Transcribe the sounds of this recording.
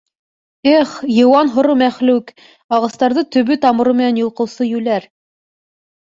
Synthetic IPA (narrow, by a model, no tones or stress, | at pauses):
ɘχjɤ̆wɑnɦŏɾɤmæχlʉk | ɑʁɑst̪ɑɾðɤt̪ɵ̆βɵt̪ɑmɤ̆ɾumɘ̆nænjŏlˠqɤ̆wsɤjʉlæɾ